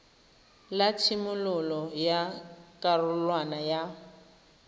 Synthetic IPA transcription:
latʰimʊlʊlɔjakʼarʊlwanaja

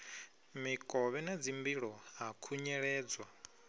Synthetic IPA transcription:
mikʼɔβɛnad͡zimbiɺɔɦakʰuɲɛɺɛːd͡zwa

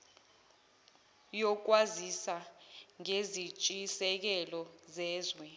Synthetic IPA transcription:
jɔk̬wazisaŋezit͡ʃʼisɛk̬ɛlɔzɛːzwɛ

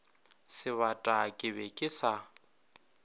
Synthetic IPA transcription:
sɪβatʼakʼɪβɛkʼɪsa

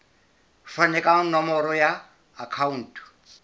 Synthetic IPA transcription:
fanɛkʼanɔmɔɾɔjaː | kʰaun̩tʰʼɔ̥

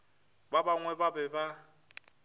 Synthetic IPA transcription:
babaŋwɛbabɛba

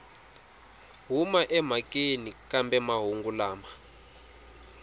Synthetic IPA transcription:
ɦumaʔɛm̤akenikambɛmaɦuŋɡulaːma

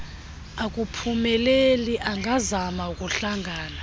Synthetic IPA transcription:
akʼupʰumɛleliʔaŋɡʱazamaukʼuɬaŋɡʱaːna

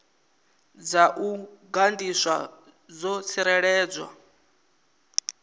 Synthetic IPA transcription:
d͡zaʔuɡandiswa̰ | d͡zɔt͡sʰiɾɛɺɛːd͡zwa̰

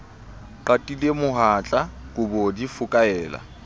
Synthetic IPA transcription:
ǃatʼilemʊɦat͡ɬʼakʼʊbɔdifʊkʼaɛːla̰

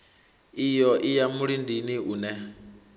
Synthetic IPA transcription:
ijɔʔijamuɺindiniunɛ

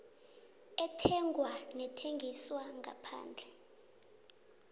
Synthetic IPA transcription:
ɛtʰɛŋɡwanɛtʰeŋɡʱiswaŋɡa̰pʰa̰ːnd͡ɮʱɛ

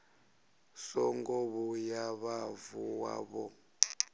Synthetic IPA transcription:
sɔŋɡɔβujaβavuwa̰βɔ

